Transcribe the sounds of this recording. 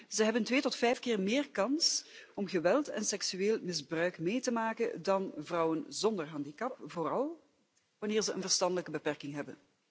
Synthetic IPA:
z̥əɦɛbəntʋeːtɔtfɛjfkɪːrmɪːrkɑnsɔmɣəʋɛlˠtɛ̰nsɛksyeːlˠmɪzbrœɥkmeːtəmaːkədɑnvrɔwənzɔndərɦɑndikɑp̚voːrɑlˠ | ʋɑnɪːɹzəʔə̰nvərstɑndələkəbəpɛrkɪŋɦɛbən

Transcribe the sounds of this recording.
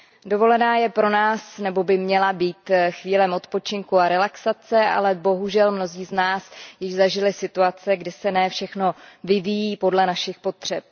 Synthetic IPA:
do̞vo̞lɛnaːjɛpɾo̞naːsnɛbobɪmɲɛlabiːt̪xviːlɛmʔo̞t̪po̞t͡ʃɪŋkuaɾɛlaksat͡sɛʔa̰lɛbo̞ɦuʒɛlmno̞ziːznaːsjɪʒzaʒɪlɪsɪt̪uat͡sɛɡdɪsɛnɛːfʃɛxno̞vɪvijiːpo̞dlɛnaʃɪxpo̞t̪r̝̥ɛp̚

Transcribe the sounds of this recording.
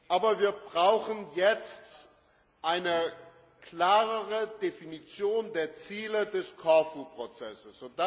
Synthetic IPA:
ʔaːbɐviːɐbʁaʊxənjɛt͡st | ʔaɪnə | kl̥aːʁəʁədefinit͡sjoːndeːɐt͡siːlədɛskʰaɐfupʁ̥ot͡sɛsəsz̥od̥a

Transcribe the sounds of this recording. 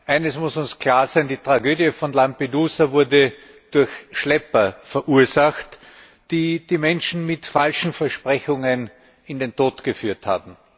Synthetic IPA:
ʔaɪnəsmʊsʊnskʰl̥aːɐzɛɪndiːtʁ̥aɡøːdjəfɔnlampeduːsɐvʊɐdə | d̥ʊɐçʃlɛpɐfɛɐʔuːɐzaxt | d̥iːd̥iːmɛnʃn̩mɪtfalʃn̩fɛɐʃpʁ̥ɛçʊŋən | ɪndentoːtɡ̥əfyːɐtha̰ːbm̩

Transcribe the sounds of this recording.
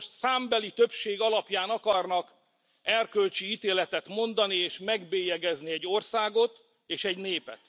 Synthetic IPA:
saːmbɛlit̪ø̞pʃeːɡɒlɒpjaːnɒkɒrnɒk | ɛrkølt͡ʃiit̪eːlɛt̪ɛt̪mo̞nd̪ɒnieːʃmɛɡbeːjɛɡɛzniɛɟːo̞rsaːɡo̞t̪ | eːʃɛɟneːpɛ̰t̪

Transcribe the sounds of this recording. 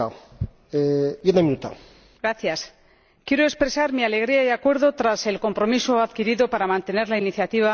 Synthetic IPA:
a | ejenaminut̪a̰ | ɡɾaθjas | kje̞ɾoespɾe̞saɾmiale̞ɣ̞ɾiaiakwe̞ɾðo̞t̪ɾase̞lko̞mpɾo̞misoaðkiɾiðo̞paɾamãnt̪e̞ne̞ɾlainiθjat̪iβ̞a

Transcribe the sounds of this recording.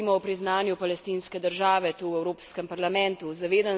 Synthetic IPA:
imɔɔpɾiznaːnjupalɛst̪inskɛd̪əɾʒaːʋɛt̪uːwɛwɾoːpskɛmpaɾlamɛ̃nt̪uzaʋeːd̪an

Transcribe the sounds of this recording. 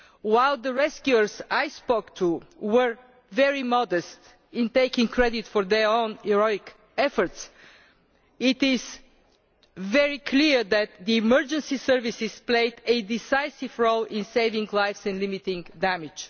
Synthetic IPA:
waɪlˠd̪əɹɛskjuəɹzajspoʊkt̪ʰuwəɹ | vɛɹimɔd̪əst̪ | ɪ̃nt̪eɪkɪ̃ŋkɹɛd̪ɪt̪fɔɹðɛɹõʊ̃nɛɹɔɪk | ɛfə˞t̪s | ɪt̪ɪz | vɛɹikʰliɹðæt̪̚d̪iːməɹd͡ʒə̃nsisəɹvisɪspleɪd̪ɨd̪ɪsaɪsivɹolˠɪ̃nseɪvɪ̃ŋɡlajfsɛ̃nlɪmit̪ɪ̃ŋd̪æmɪd͡ʒ

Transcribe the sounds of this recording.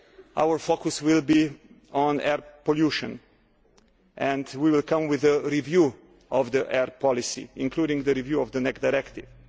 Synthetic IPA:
ʔa̰wəɹfokʊswɪlbi | ɔ̃nɛɹpɔljuʃɔ̰̃n | ʔɛ̃ndwiwɪlkʰʌ̃mwɪðəɾivju | ʔɔvd̪iʔɛɹpʰɔlisḭɪ̃nkʰludɪ̃ŋɡd̪əɾivjuːɔvd̪ənɛksdaɪɾɛkt̪ɪv̥

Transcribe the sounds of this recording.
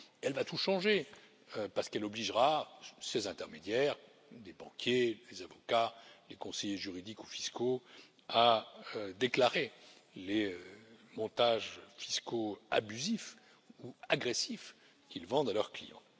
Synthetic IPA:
ɛlvat̪uʃɑ̃ʒe | øpaʁsə̥kɛlɔbliʒʁasezɛ̃t̪ɛʁmed̪jɛʁ | d̪ebɑ̃kʲʰjelezavɔkalekɔ̃sɛjeʒyʁid̪ikufi̥sko | a | d̪eklaʁeleømɔ̃t̪aʒfi̥skoa̰byzif | uaɡʁesif | kʲilvɑ̃d̪alœʁklḭjɑ̰̃

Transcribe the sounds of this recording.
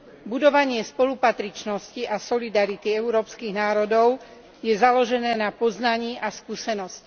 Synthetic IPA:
bud̪ɔʋaɲɪɛspɔlupat̪ɾit͡ʃnɔsciʔasɔlid̪aɾit̪iɛuɾɔːpskiɣnaːɾɔd̪ɔʊ | jɛzalɔʒɛnɛːnapɔznaɲiːʔaskuːsɛnɔsc

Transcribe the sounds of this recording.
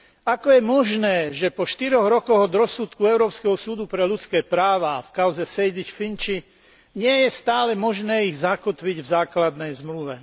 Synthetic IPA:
akɔjɛmɔʒnɛːʒɛpɔʃt̪iɾɔɣɾɔkɔɣɔd̪ɾɔsut̪kuɛʊɾɔːpskɛɦɔsuːd̪upɾɛlut͡skɛːpɾaːʋaːfkaʊzɛsɛjd̪it͡ʃfint͡ʃi | ɲɪɛjɛst̪aːlɛmɔʒnɛːiɣzakɔt̪ʋiɟvzaːklad̪nɛjzmluʋɛ

